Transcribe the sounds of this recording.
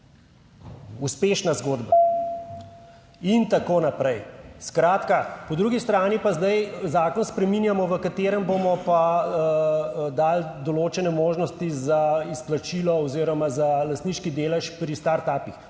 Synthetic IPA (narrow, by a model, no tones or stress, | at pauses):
uspeːʃnazɡoːd̪ba | int̪akoːnapɾɛjskɾaːt̪kapɔd̪ɾuɡist̪ɾaːnipazd̪ajzaːkɔnspɾɛminjamɔʋəkat̪eːɾəmbomɔpa | d̪aːld̪ɔloːt͡ʃɛnɛmoːʒnɔst̪izaisplat͡ʃiːlɔɔziːɾɔmazalast̪niːʃkid̪eːlɛʃpɾist̪aɾt̪aːpix